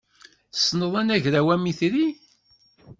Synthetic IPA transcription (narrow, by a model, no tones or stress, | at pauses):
θə̥sːnəðˤænæʝɾæwæmiθɾi